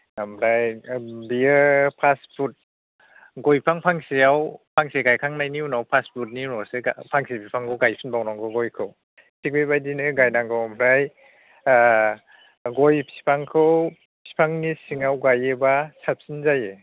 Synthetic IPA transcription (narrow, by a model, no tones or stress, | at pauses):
amɾajbiɯpʰaspʰut̚ | ɡɔjpʰaŋpʰaŋsiawpʰaŋseɡajkʰaŋnajniunawpʰasput̚ninɔsɯapʰaŋsipʰipʰaŋkʰɯwɡajpʰinbawnɔŋɡɯɡɔjkʰɯw | sʰik̚bejbajdinɯɡajnaŋɡɔwmɾaj | ɡɔjpʰi̥pʰaŋkʰɯw | pʰi̥pʰaŋnisiŋawɡajebasap̚sinzaje